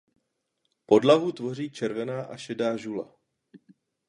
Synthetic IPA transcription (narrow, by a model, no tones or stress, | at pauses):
po̞dlaɦut̪vo̞r̝iːt͡ʃɛɾvɛnaːʔaʃɛdaːʒula̰